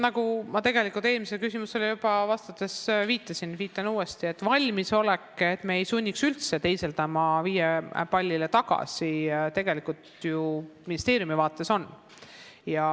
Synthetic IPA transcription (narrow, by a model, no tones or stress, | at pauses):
nɑkumɑt̪e̞ɡ̥e̞likːˑult̪e̞ːlmiselkysimuse̞lijupɑvɑst̪ɑt̪ːˑe̞sviːt̪ːˑɑsinviːt̪ːˑɑnuːe̞st̪ie̞t̪ːˑvɑlʲmiso̞lekːˑet̪ːmeːejsunʲːiksylt̪se̞t̪e̞jse̞lt̪æmɑviːjepɑlʲːile̞t̪ɑɡɑ̰sit̪e̞ɡ̥e̞likˑult̪juminʲist̪e̞ːɾjumivɑːt̪ːˑe̞so̞nː | jɑ